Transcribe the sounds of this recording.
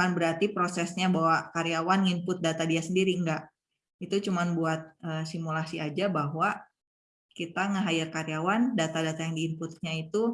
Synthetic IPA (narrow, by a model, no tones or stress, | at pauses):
anbəɾart̪ipɾosɛsɲabaɦwakaɾiawanŋimpʊt̪̚dat̪adiasəndiɾiŋɡaʔ | it̪ut͡ʃumanbuat̪̚əsimulasiad͡ʒabaɦwa | kit̪aŋəɦajɪrkaɾijawandat̪adat̪ajaŋdiːmpʊt̪̚ɲait̪u